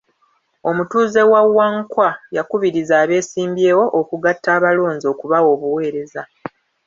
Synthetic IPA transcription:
o̞mutuːze̞wawːaŋkwajakuβiɾizaːβe̞ːsiːmbjeːwo̞ʔokuɡatːaːβalo̞ːnzio̞kuβawo̞ːβuwe̞ːɾe̞za

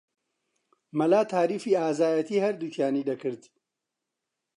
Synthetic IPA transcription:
mɐlaːt̪ʰaːɾiːfiːaːzaːjɐt̪iːhɐɾd̪ut͡ʃʰjaːniːd̪ɐkɨɾd̪

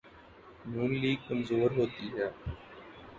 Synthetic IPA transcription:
nuːnliːɡ̚kəmzoːɾɦoːt̪iːɦɛː

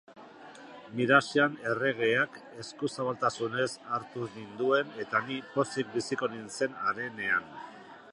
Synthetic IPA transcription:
miɾasiane̞re̞ɣ̞e̞ak | e̞skusaβalt̪asune̞saɾt̪unind̪ue̞ne̞t̪anipo̞sik̚bisiko̞ninse̞naɾe̞ne̞an

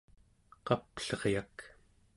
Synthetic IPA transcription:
qɑpɬʌʁjak

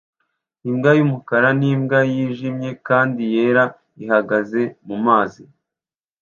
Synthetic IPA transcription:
imɡajumukaɾanimɡajiːʒimje̞kaːndije̞ːɾa | iɦaɡaze̞mumaːzi

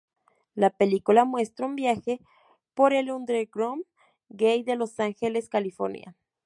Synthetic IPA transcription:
lape̞likulamwe̞st̪ɾaumbjaxe̞ | po̞ɾelund̪ɾeɡɾom | ɡejðe̞lo̞saŋxe̞le̞skalifo̞̰ɾnja̰

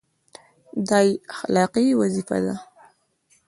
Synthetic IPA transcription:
d̪ɑjaxalɑqiwazifa̰d̪a

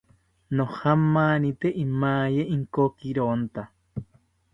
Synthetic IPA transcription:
nõhamãːnĩt̪eʔimãːjeʔiŋkokiɾont̪a

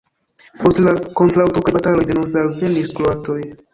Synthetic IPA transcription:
po̞stlakontɾawtokabatalo̞jdenonzalveniskloatoj

